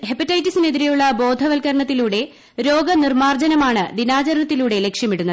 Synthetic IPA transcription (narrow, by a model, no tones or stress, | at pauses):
hepɐtːɐjtːisine̞ðiɾejuɭːɐbo̞ːd̪ʱɐʋɐlkɐɾɐɳɐt̪ːiluːɽe̞ | ɾo̞ːɡɐnirmaːrd͡ʑɐnɐmaːɳɨd̪inaːt͡ɕɐɾɐnɐt̪ːiluːɽe̞le̞kʂjɐmiɽunːɐ